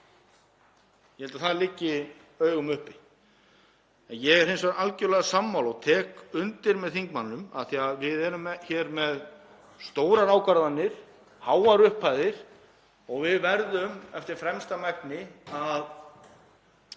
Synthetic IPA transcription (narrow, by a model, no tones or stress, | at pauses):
jɛhɛlt̪aθaðlɪcːɪ | œːɥɣʏmʏhpɪ | ɛnjɛɣɛɾɦejnsaalcœɾlɛɣasamːawlɔɣt̪ʰɛːkʏnt̪ɪɾmɛðθiŋkmanːʏma̰θiaðvɪðɛːɾʏmçɛːɾmɛð | st̪oːwɾaɾaːwkaɾðanːɪɾ̥ | haːwaɾʏhpʰajðɪɾ̥ | ɔɣvɪðvɛɾðʏmɛft̪ɪɾ̥fɾɛmst̪amɛk̚nɪað